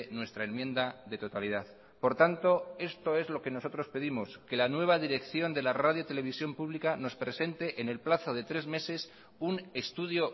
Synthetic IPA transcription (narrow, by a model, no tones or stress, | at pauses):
nwe̞st̪ɾae̞nmjẽ̞nd̪aðe̞t̪o̞t̪aliðaθ | po̞ɾt̪ant̪o̞e̞st̪o̞e̞zlo̞ke̞no̞so̞t̪ɾo̞spe̞ðimo̞ske̞lanwe̞β̞aðiɾe̞kθjo̞nd̪e̞laraðjot̪e̞le̞β̞isjo̞mpuβlikano̞spɾe̞se̞nt̪e̞ʔene̞lplaθo̞ðe̞t̪ɾe̞zme̞se̞s | une̞st̪uðjo̞